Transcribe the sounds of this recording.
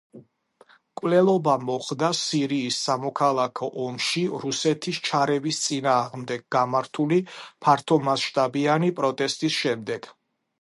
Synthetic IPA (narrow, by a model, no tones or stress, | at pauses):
kʼwlɛlˠɔbamɔχd̪asiɾiːsːamɔkʰalˠakʰɔʔɔmʃiɾusɛt̪ʰist͡ʃʰaɾɛvist̪sʼinaːʁmd̪ɛɡ̚ɡamaɾt̪ʰulipʰaɾt̪ʰɔmasʃt̪ʼabianipʼɾɔt̪ʼɛst̪ʼisʃɛmd̪ɛɡ̥